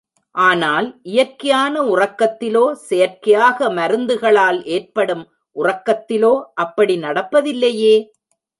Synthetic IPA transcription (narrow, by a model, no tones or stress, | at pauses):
ʔaːnaːlʔɪjɐɾkːɐjaːnɐʊrɐkːɐt̪ːɪloːsɛjɐɾkɐjaːɣɐmɐɾɯnd̪ɯɣɐɭaːleːrpɐɽɯm | ʔʊrɐkːɐt̪ːɪloːʔɐpːɐɽinɐɽɐpːɐðɪlːɐjeː